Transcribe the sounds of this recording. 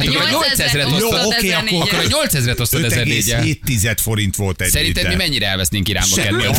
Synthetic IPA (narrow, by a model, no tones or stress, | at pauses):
at̪kkoɾɲolsɛzrɛt̪ojookeːɒkːokːoɾɒɲo̞lt̪sɛzɾɛt̪osoɛzɛɾɡeːɛeːt̪ːizɛt̪fo̞ɾint̪ʋo̞lt̪ɛsɛɾint̪ɛmimɛɲːiɾɛɛlvɛsneŋkiɾa̰ːmbɒkɛd̪e